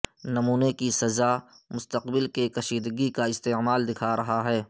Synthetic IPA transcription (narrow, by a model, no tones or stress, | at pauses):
nɐmuːnekisɐza | mʊst̪əqbɪlkekɐʃiːd̪ɡikaɪst̪eːmaːld̪ɪkʰaɾɐɦaɦɛː